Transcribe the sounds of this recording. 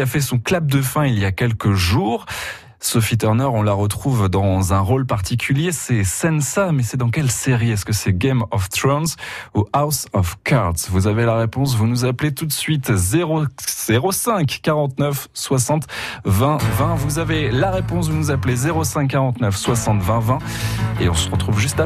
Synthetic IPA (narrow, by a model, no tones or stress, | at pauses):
afɛsɔ̃klab̚d̪əfɛ̃iljakʲɛlkəʒuːʁ | sɔfit̪œʁnœʁɔ̃laʁət̪χuvd̪ɑ̃zɛ̃ʁolpaʁt̪ʰikʲʰyljesɛsɛnsamɛsɛd̪ɑ̃k̬ɛlseʁiɛskəsɛɡɛmɔft̪χɔnsuawsɔfkaʁd̪svuzavelaʁepɔ̃s̬vunuzaplet̪ut̪sɥit̪zeʁoz̥eʁosɛ̃kːaʁɑ̃t̪nœf | swasɑ̃t̪vɛ̃vɛ̃vuzavelaʁepɔ̃s̬vunuzaplezeʁosɛ̃kːaʁɑ̃t̪nœfswasɑ̃t̪vɛ̃vɛ̃ | eɔ̃səʁət̪χuvʒyst̪a